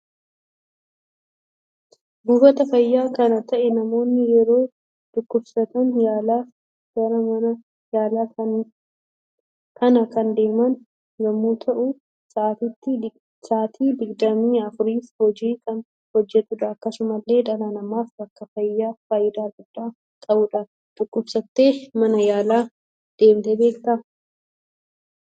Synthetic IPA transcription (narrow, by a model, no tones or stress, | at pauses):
buːfɐt̪ɐfɐjːaːkɐnɐt̪ʰɐʔɛnɐmo̞ːnːɪjɛɾo̞ː | d̪̥ʊkːʊbsɐt̪ɐnjaːlaː | ɡɐɾɐmɐnɐ | jaːlaːɐ | kʰɐnɐkɐnd̪e̞ːmɐn | lɐmːuːt̪ʰɐʔu | saːt̪ɪt̪ːɪ | saːt̪ʰiːd̪ɪɡd̪ɐmiːɐfʊɾiːfhɔd͡ʒiːkʰɐn | hɔd͡ʒːɛt̪ːʊd̪ɐːkːɐsʊmɐlːe̞ːd̪ɐlanɐmaːfbɐkːɐfɐjːaːfaːjːɪd̪aːɡʊd̪̥ːaː | kʼɐbʊᶑɐ | tʼʊkːʊbsɐt̪ːe̞ːmɐnɐjaːlaː | d̪̥e̞ːmt̪ebe̞ːkt̪ɐ